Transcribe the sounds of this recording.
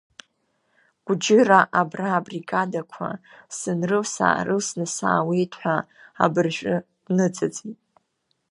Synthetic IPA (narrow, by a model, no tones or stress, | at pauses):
ɡ̥ʷd͡ʒɪraʔabraːbriɡadakʷʰa̰sɨnrɨlsa̰rɨlsnɨsa̰ːwejtʰħʷaa̰bɨrʒʷᶣʼɨ | nɨd͡zʼad͡zʼitʼ